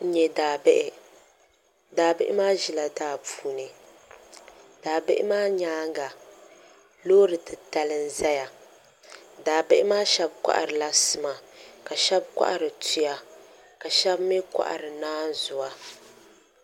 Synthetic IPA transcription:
n̩˨ɲɛ˨da˨bʔɪ˦ | daː˨bɪ˦ʔɪ˦maː˦ʒi˨la˨daː˦puː˦˨nɨ˨ | d̥aː˨bɪ˦ʔɪ̰˦maː˦ɲaː˦ŋɡa˨ | loː˦ɾɨ˨tɨ˨ta˨lɨ˦n˦za˦ja˨ | daː˨bɪ˦ʔɪ˦maː˦ʃɛ˦bkʷa̰˦ʔa̰˨ɾɨ˨la˦sɨ˨ma˨ka˨ʃɛ˦b̚kʷa̰˦ʔa˨ɾɨ˨tu˦ja˨ | ka˨ʃɛ˦bmi˦ka̰˦ʔa̰˨ɾɨ˨naː˦n˦zʊ˨wa˦

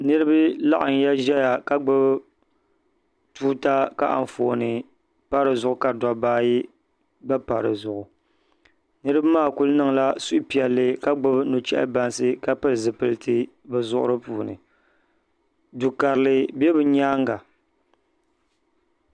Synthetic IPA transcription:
nɨ˦ɾɨ˦bɨ˦la̰˦ʔɪ˨n˦ja˦ʒɛ˦ja˨ka˦ɡ͡bɨ˦b | tuː˦ta˦ka˦ʔa̰˨ɱ˨fo̰˨nɨ˨ | pa˦ɾɨ˨zʊ˦ʔʊ˦ka˨dɔ˨baː˦ji˦ | ba˦pa˨ɾɨ˨zʊ˨ʔʊ˨ | nɨ˦ɾɨ˦bmaː˦˨ku˦lnɨ˨ŋla˦su˦ʔpi˨ɛ˨lːɨ˦ka˦ɡ͡bɨ˦bnu˨t͡ʃɛ˦ʔa̰˦ba˨nsɨ˦ka˦pɨ˦lzɨ˨pɨ˦lɨ˦tɨ˦ | bɛ˨zʊ˦ʔʊ̰˦ɾɨ˦puː˨nɨ̰˨ | du˨ka˨ɾɨ˨lɨ˨bɛ˦bɨ˨ɲaː˦ŋɡa˨

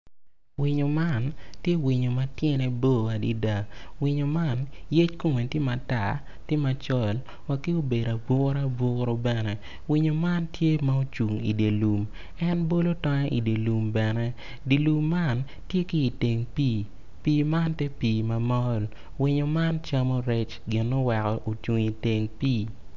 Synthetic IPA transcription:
wɪ˨ɲo˨ma˦˨ntje˦wi˨ɲo˨ma˨tjɛ˦ne˦bo˦a˨di˨da˨wɪ˨ɲo˨ma˦˨nje˦t͡ʃko˦ŋe˨ntɪ˦ma˨ta˨ | tɪ˦ma˨t͡ʃɔ˦l | wa˨kɪ˦o˦be˨da˨bʊ˦ɾa˦bʊ˦ɾo˦bɛ˨nɛ˨ | wɪ˨ɲo˨ma˦ntje˦ma˦o˦t͡ʃu˨ŋḭ˨de˨lu˨m | ɛ˦nbo˦lo˦tɔ˦ŋa˦ʔi˨de˨lu˨mbɛ˨nɛ˦ | di˨lu˨mːa˦˨n | tje˦kiː˦˨te˨ŋpiː˦ | piː˦ma˦nte˦piː˨ma˨mɔ˦l | wɪ˨ɲo˨ma˦nt͡ʃa˦mo˦ɾɛ˦t͡ʃɡɪ˨nːo˦wɛ˨kɔ˨ʔo˨t͡ʃu˨ŋi˨te˨ŋpiː˦

